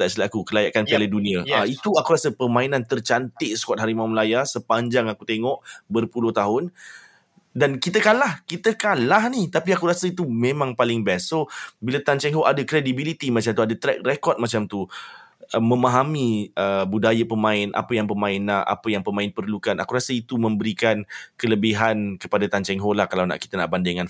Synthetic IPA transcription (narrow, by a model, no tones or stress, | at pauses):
t̪aʔsəlakukəlajaʔkanalədunĩaait̪uakuɾasəpəmãinãnt̪ərt͡ʃant̪ɪʔsə̥kwat̪̚ɦaɾimamlajasəpaɲd͡ʒaŋakut̪eŋɔʔbərpulʊht̪aɦʊn | dankit̪əkanlahkit̪əkalahniht̪apiakuɾasəit̪umẽmãŋpalɪŋbɛsːobilat̪ant͡ʃɛŋɦoʔadakɾedibilit̪imat͡ʃamt̪uadat̪ɾɛk̚rekɔt̪̚mat͡ʃamt̪u | əmə̃maɦamiəbudajapəmãɪnʔa̰pəjaŋpəmãɪnaa̰pəjaŋpəmaɪnpərlukanʔa̰kuɾasəit̪umə̃mbəɾikankələbiɦankəpadat̪ant͡ʃɛŋɦolahkalawna̰ʔki̥t̪əna̰ʔbandɪŋan